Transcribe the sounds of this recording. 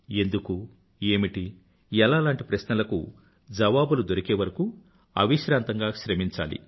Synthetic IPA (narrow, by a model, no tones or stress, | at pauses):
e̞nd̪uku | e̞ːmiʈi | ɛlaːlaːɳʈipɾɐʃnɐlɐkṵ | d͡ʒɐʋaːbulud̪o̞ɾikeːʋɐɾɐku | ɐ̰ʋiʃɾaːnt̪ɐŋɡaːʃɾɐmiɲt͡ʃa̰ːlḭ